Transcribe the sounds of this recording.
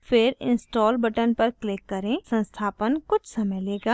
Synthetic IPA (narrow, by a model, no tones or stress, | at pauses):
fɪɾɪ̰̃nsʈɔːlbɐʈənpɐɾklɪkːɐɾẽːsɐ̃nst̪ʰaːpənkʊt͡ʃʰsɐməjleːɡaː